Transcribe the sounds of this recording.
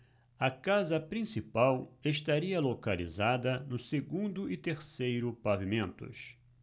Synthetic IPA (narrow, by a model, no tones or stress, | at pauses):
ɐkazɐpɾĩsipaweʃt̪aɾiɐlokalḭzad̪ɐnʊseɡũnd̪ʊɪt̪eɾsejɾʊpavimẽnt̪ʊ̰s